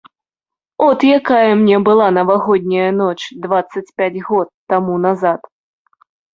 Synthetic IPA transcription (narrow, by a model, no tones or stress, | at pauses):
ɔt̪jakajɐmnʲɛbɨlˠanɐvaɣɔd̪ʲnʲɐjɐnɔt͡ʂd̪vat̪sːɐt͡sʲpʲad͡zʲɣɔt̪ːamunazat̪